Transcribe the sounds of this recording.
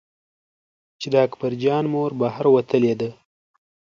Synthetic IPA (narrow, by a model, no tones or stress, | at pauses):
t͡ʃed̪əakbaɾd͡ʒɑnmoɾbahaɾwat̪əled̪ə